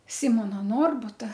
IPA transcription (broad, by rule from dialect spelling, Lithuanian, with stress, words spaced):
ˈsʲɪmoːnɐ ˈnoːrbʊtɐ